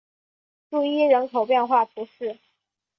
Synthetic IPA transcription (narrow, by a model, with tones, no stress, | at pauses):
ʈ͡ʂu˥˩i˥˩ɻə˧˥nkʰo˨˩ʊpjɛ˥˧nxwa˥˩t̪ʰu˧˥ʂɻ̩˥˩